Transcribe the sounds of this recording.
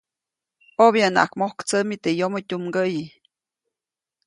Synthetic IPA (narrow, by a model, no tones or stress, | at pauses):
objana̰ʔakmohkt͡səmit̪ejomotʲumɡəji